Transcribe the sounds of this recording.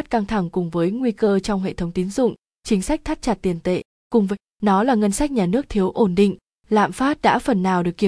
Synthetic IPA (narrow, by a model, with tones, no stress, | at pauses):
t̚ka˧ŋt̪ʰa˧˩ŋkʊ˨˩ŋ͡mvəː˨˦jŋwi˧kəː˧t͡ɕɔ˧wŋ͡mɦḛ˧˨t̪ʰə˨˦wŋ͡mt̪i˨˦nzʊ̰˧˨ŋ͡m | t͡ɕï˨˦ŋ̟sa˦˥k̟̚t̪ʰa˦˥k̚t͡ɕa˨˩t̚t̪i˨˩ənt̪ḛ˧˨ | kʊ˨˩ŋ͡mvəː˨˦ | nɔ˨˦laː˨˩ŋə˧nsa˦˥k̟̚ɲaː˨˩nɨ˦˥ək̚t̪ʰi˨˦əwʔo˧˩nɗḭ˧˨ŋ̟ | la̰ː˧˨mfaː˦˥t̚ɗa̰ː˧˥fə˨˩nːaː˨˩wɗɨ˨˩əkːi˧˩